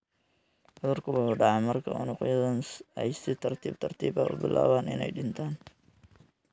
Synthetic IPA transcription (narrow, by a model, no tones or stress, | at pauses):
ʔʊðɐrkʰʊwʊħuːɖɑʕɑmɐrkʰɐ̰ʊ̰nʊqʊjɐðɐnɛjsɪt̪ʰɐrt̪ʰḭːbt̪ʰɐrt̪ʰiːbɐ̰ʔʊ̰bɪ̰lʔa̰ːβaːnɪ̰nɛ̰jɖɪnt̪ʰaːn